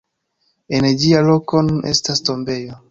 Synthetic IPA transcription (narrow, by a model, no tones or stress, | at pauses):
ened͡ʒialo̞ko̞nunʔe̞̰stasto̞mbe̞jo